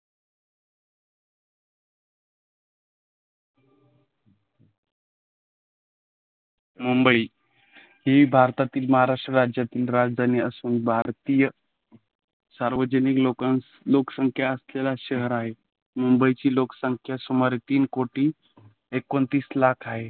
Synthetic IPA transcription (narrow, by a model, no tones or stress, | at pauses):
mumbəiː | jeiːbʱaɾt̪at̪iːlməɦaɾaʂʈɾəɾad͡ʑjat̪iːlɾad͡zd̪ʱaniəsuːnbʱaɾt̪ijə | saɾʋəd͡ʑəniklo | loksəŋkʰjaəslelaɕəɦəɾaɦe | mumbəit͡ɕiːlokə̥səŋkʰjasumaɾet̪iːnkoʈiː | ekːont̪iːslakʰaɦe